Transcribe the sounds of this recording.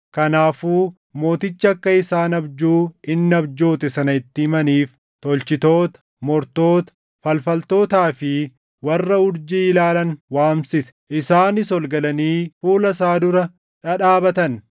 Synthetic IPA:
kɐnaːfuː | mo̞ːt̪ɪt͡ʃːɐɐkːɐɪsaːnɐbd͡ʒuːɪnːɐbd͡ʒo̞ːt̪ɛsɐnɐɪt̪ːɪɪmɐniːf | t̪ɔlt͡ʃɪt̪o̞ːt̪ɐ̥ | mɔɾt̪o̞ːt̪ɐ̥ | fɐlfɐlt̪o̞ːt̪aːfɪ | wɐrːɐʊɾd͡ʒiɪlaːlɐnwaːmsɪsɛ̥ʔɪsaːnɪsɔlɡɐlɐniːfuːlɐs̬aːd̪ʊɾɐ | ᶑɐᶑaːbɐt̪ɐn

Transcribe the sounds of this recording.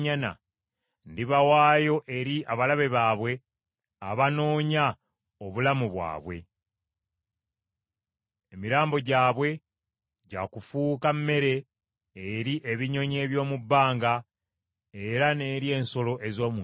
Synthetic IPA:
ɲana̰ | ndiβawaːjo̞ʔe̞ɾiʔaβalaβe̞βaːβwe̞ | aβano̞ːɲa | oβulamuβwa̰ːβwe̞̰ | emiɾaːmbo̞ɟaːβwe̞ | ɟakufuːkamːe̞ɾe̞ː | ɾiʔe̞βiɲo̞ɲe̞ːβjo̞ːmubːaːŋɡa | e̞ɾane̞ːɾje̞ːnso̞lo̞ʔe̞zo̞ːmu

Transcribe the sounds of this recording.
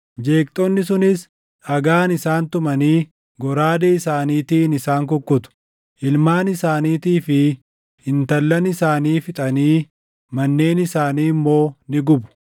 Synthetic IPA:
d͡ʒe̞ːk̚t̪ʼɔnːɪsʊnɪs | ɐɡaːnɪsaːnt̪ʊmɐniː | ɡɔɾaːd̪eɪsaːniːt̪iːnɪsaːŋkɔkʼːʊt̪ʊ̥ | ʔɪlmaːnɪsaːniːt̪iːfɪ | hɪnt̪ɐlːɐnɪsaːniːfɪt̪ʼɐniː | mɐnːe̞ːnɪsaːniːmːo̞ːnɪɡʊbʊ̥

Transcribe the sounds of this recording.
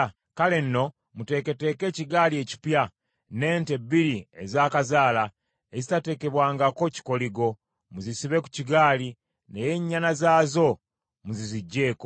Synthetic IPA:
kale̞nːo̞ | mute̞ːke̞te̞ke̞ːciɡaːlie̞ci̥pja | ne̞ːnte̞biɾiezaːkazaːla | ezitate̞ːke̞βwaːŋɡako̞ci̥ko̞liɡo̞ | muzisiβe̞ku̥ciɡaːli | neje̞ɲːanazaːzo̞ | muziziɟːe̞ːko

